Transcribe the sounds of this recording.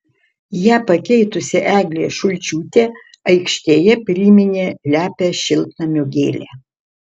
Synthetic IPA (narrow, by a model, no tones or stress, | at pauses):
jæːpɐkʲɛɪt̪ʊsʲɪʔæːɡlʲeːʃʊlʲt͡ʃʲuːt̪ʲeː | ɐɪkʃʲt̪ʲeːjɛpʲɾʲiːmʲɪnʲeːlʲæːpʲɛʃʲɪlʲˠt̪nɐmʲoɡʲeːlʲeː